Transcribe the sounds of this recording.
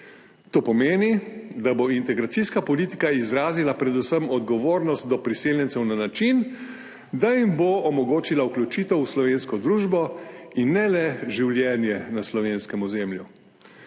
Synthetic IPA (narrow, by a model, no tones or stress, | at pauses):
t̪oːpɔmeːnid̪aboint̪ɛɡɾat̪iskapɔliːt̪ikaizɾaːzilapɾɛd̪usəmɔd̪ɡɔʋoːɾnɔst̪̚d̪ɔpɾiseːljɛnt̪sɛwnanat͡ʃin | d̪ajimboɔmɔɡoːt͡ʃilauklʲjut͡ʃiːt̪ɛwuslɔʋeːnskɔd̪ɾuːʒbɔinːɛlɛʒiwljɛnjɛnaslɔʋeːnskɛmɔzeːmlju